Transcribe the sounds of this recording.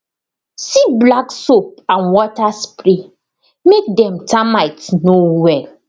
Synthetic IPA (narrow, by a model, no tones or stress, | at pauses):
siblaksop̚ãnwɔtaspɾi | mek̚dɛ̃mtʰamaɪtnowɛl